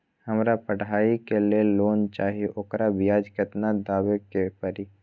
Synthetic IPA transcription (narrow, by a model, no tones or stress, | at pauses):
həmɾapəɽ̤aːikelieloːnt͡ʃaːɦieʔoːkɾabɪjaːd͡ʒkət̪nad̪aːʋekepəɾi